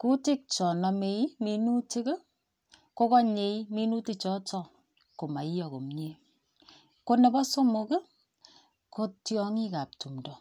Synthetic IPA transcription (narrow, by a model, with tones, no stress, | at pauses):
ku˦ti˦k̚t͡ʃɔ˨nɔ˨me˨i˦mi˨nu˦ti˦kə˦ | ko˦kɔ˦ɲe˨i˦mi˦nu˦ti˦t͡ʃɔ˦tɔ˦˨ | ko˨ma˨i˦jɔ˨ko̰˨mɲe˨ | ko˦nɛ˨bɔ˦so˦mo˧ke˦ | ko˦tjɔ˦ŋi˦ka˨p̚tu˨mdɔ˨